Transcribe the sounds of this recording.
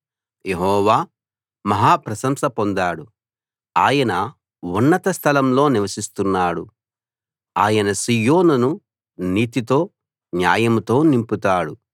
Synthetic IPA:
jeɦɔːʋaː | mɐɦaːpɾɐsɐmsɐpo̞nd̪aːɽu | aːjɐnɐ | unːɐt̪ɐst̪ʰɐlɐmlo̞ːniʋɐsist̪unːaːɽṵ | aːjɐnɐsijo̞ːnunu | niːt̪it̪o̞ː | njaːjɐmt̪o̞ːnimput̪aːɽu

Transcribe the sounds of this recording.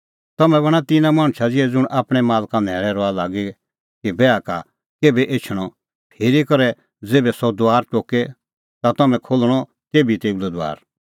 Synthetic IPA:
t̪ɐmɛ̃βɐɽ̃at̪ɪnãmãːɽ̃t͡ʃʰad͡zɪɛd͡zʊɽ̃ʔaːpɽ̃ɛmaːlkanɛːɾɛɾɔalaːɡi | kibɛaka | keːbɛʔeːt͡ʃʰɽ̃ɔ | pʰeːɾikɐɾɛ | d͡zeːbɛsɔd̪oaːɾt͡ʃoːke | t̪at̪ɐmɛ̃kʰolɽ̃ɔ | t̪eːbit̪eːulɛd̪oa̰ːɾ

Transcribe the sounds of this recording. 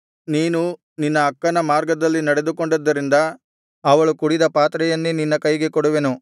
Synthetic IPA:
niːnu | ninːɐːkːɐnɐmaːɾɡɐd̪ɐlːinɐɽe̞d̪ukoɳɖɐd̪ːɐɾind̪ɐː | ʋɐɭukuɽid̪ɐpaːt̪ɾɛjɐnːuninːɐkɐjɡe̞kɔɽuʋenu

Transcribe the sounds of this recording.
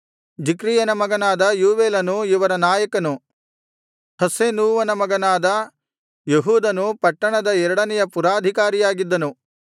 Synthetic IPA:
d͡ʒikɾiːjɐnɐmɐɡɐnaːd̪ɐjuːʋeːlɐnuiʋɐɾɐnaːjɐkɐnu | hɐseːnuːʋɐnɐmɐɡɐnaːd̪ɐ | jeɦuːd̪ɐnupɐʈːɐɳɐd̪ɐɛɾɐɽɐnɛjɐpuɾaːd̪ʱikaːɾijaːɡid̪ːɐnu

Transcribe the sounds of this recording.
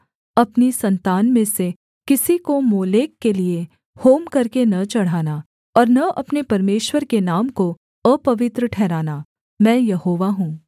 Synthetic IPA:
ɐpnisɐ̃nt̪aːnmẽse | kɪsikomoːleːkːelie | hoːmkɐɾkenɐt͡ʃɐɽ̤aːna | ɔːɾnɐʔɐpnepɐɾmeːʃwəɾkenaːmko | əpɐʋɪt̪ɾəʈʰɛːɾaːna | mɛ̃ːjɐɦoːʋaɦũː

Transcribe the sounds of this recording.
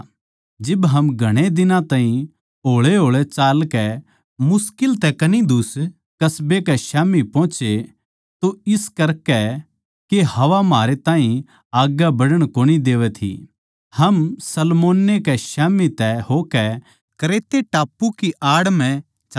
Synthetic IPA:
d͡ʒɪbɦɐmɡʱɐɽ̃ed̪ɪnãt̪aːɦĩ | ɦoːɭeɦoːɭɛt͡ʃaːlkɛ | mʊskɪlt̪ɛkɐnid̪ʱʊs | kɐsbekɛʃaːmipɔ̃ːt͡ʃe | t̪oɪskɐɾkɛ | kehɐʋamaːɾet̪ãːɦĩ | aːɡjabɐɽəɽ̃koːñid̪eːʋɛt̪ʰḭ | hɐmsɐlmoːnːekɛʃaːmit̪ɛɦoːkɛ | kɐɾeːt̪eʈaːpːukiʔaːɽmɛ̃ | t͡ʃː

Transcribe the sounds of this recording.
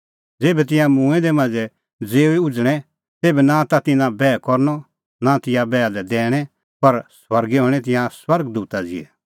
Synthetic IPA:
d͡zeːbɛt̪̬ɪ̃jãmũɛ̃d̪ɛmãd͡zɛ | d͡zeːiʊd͡zɽ̃ɛ̃ | t̪eːbɛnãt̪at̪ɪ̃nãbɛːkɔɾnɔ | nat̪ɪ̃jãbɛːalɛd̪ɛːɽ̃ɛ | pɐɾswɐɾɡɛɦõɽ̃ɛt̪̬ɪ̃jãswɐɾɡd̪uːt̪ad͡zɪ̰ɛ̰

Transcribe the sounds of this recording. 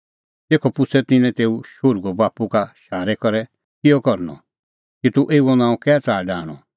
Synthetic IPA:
t̪eːkʰɔpʊt͡sʰɛt̪ɪnɛ̃t̪eːuʃʊɾɡobaːpukaʃaːɾɛkɔɾɛ | kɪjɔkɔɾnɔ̰ | kit̪uʔeːuɔnãːũkɛːt͡saːɖaːɽ̃ɔ̰

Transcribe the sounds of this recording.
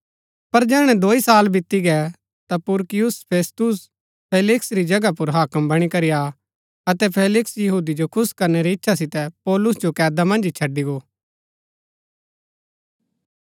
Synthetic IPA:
pɐɾd͡ʒɛːɽ̃ɛ̃d̪oːisaːlbɪt̪ːiɡɛ | t̪apʊɾkɪjʊspʰeːst̪ʊs | pʰeːlɪksɾid͡ʒɐɡapʊɾɦaːkəmbɐɽ̃ikɐɾija | ɐt̪ɛpʰeːlɪksjɐɦuːd̪id͡ʒokʰʊskɐɾneɾiɪtːʃʰas̬ɪt̪ɛpɔːlʊsd͡ʒokɛːd̪amɐ̃nd͡ʒt͡ʃʰɐɖːiɡoː

